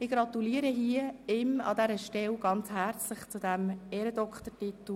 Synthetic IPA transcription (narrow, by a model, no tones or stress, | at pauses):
ɪɡ̥ɾɑt̪uliːəɾəɦiəɪmɑ̰d̪ɛɾəʃtɛlɡ̥ɑnt͡shæɾt͡slɪχt͡sʊd̪æmeːɾəd̪ɔkχt̪ətit̪l̩